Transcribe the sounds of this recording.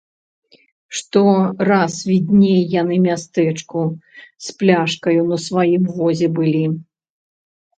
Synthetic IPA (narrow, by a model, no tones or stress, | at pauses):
ʂt̪ɔrasvʲid̪ʲnʲejːanɨmʲast̪ɛt͡ʂkusplʲaʂkɐjunɐsvajimvɔzʲɛbɨlʲi